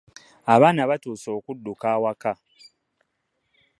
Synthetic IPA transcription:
aβaːnaβatuːso̞ːkudːukaːwaka

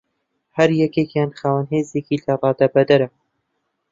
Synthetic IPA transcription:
hɐɾjɛkeːkjaːnχaːwanɦeːzeːkilɐrˤɑːd̪abɐd̪ɐɾɐ

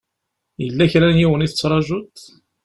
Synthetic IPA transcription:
jəlːæçɾænjiwəniθət͡sːɾˤɑʒʊt̪

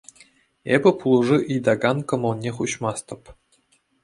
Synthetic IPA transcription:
ebʲɘ̆pulˠuʐɯʔijd̪ɑɡɑnkŏmŏlˠnʲeχuɕmɑst̪ɤ̆p

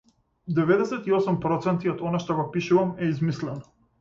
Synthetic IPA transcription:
d̪ɛvɛd̪ɛsɛt̪iɔsumpɾɔt̪sɛnt̪iɔd̪ɔnaʃt̪ɔɡɔpiʃuvamɛizmislɛnɔ

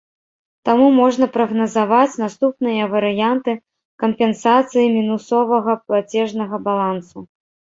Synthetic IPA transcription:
t̪amumɔʐnɐpɾɐɣnɐzavat͡sʲnast̪upnɨjɐvɐɾɨjant̪ɨ | kɐmpʲɛnsat̪sɨjimʲinusɔvɐɣɐplˠat͡sʲɛʐnɐɣɐbalˠansu

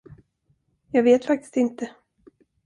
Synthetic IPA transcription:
jɑːɡveːt̪fak̚t̪ɪ̥st̪ɪnt̪ə

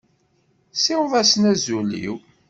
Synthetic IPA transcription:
sɪwvæsnæzulḭw

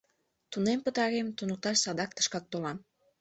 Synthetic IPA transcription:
t̪unempət̪ɑɾemt̪unək̚t̪ɑʃsɑd̪ɑk̚t̪ə̥ʃkɑk̚t̪olɑm

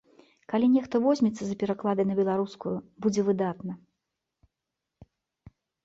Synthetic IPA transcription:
kalʲinʲɛxt̪ɐvɔzʲmʲɛt̪sːɐzɐpʲɛɾaklˠad̪ɐjnɐbʲɛlˠaɾuskujubud͡zʲɛvɨd̪at̪nɐ

